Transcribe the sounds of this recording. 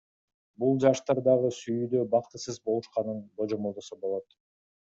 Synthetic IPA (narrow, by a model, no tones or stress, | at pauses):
bulˠd͡ʒɑʃt̪ɑɾd̪ɑʁɯsyjyːd̪øbɑqt̪ɯsɯzbo̞lˠuʃqɑnɯnb̪o̞d͡ʒo̞molˠd̪osobo̞lˠo̞t̪